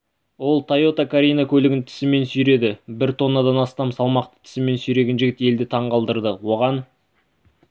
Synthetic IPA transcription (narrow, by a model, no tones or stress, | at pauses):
wo̞lˠt̪ʰajo̞t̪akʰaɾʲijnakʲʰɵlɪɡʲɪnt̪ʰɪ̥sɪme̞nsʏjɾe̞d̪ɪbɪɾt̪ʰo̞nːad̪ɑnɑst̪ɑmsɑlˠmɑq̚t̪ə̥t̪ʰɪ̥sɪme̞nsyjɾe̞ɡʲenʒɪɡʲɪt̪e̞ld̪ɪt̪ʰɑɴqɑlˠd̪əɾd̪əwo̞ʁɑn